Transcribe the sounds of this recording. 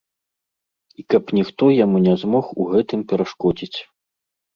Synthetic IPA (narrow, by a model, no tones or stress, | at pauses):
ikɐpnʲixt̪ɔjamunʲɛzmɔxuɣɛt̪ɨmpʲɛɾaʂkɔd͡zʲit͡sʲ